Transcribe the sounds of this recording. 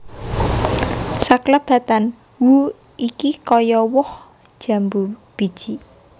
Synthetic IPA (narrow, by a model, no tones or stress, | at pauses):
sakləb̥ä̤t̪an | wu | ikikɔjɔwɔh | ʒ̥a̤mbub̥i̤̥ʒ̥i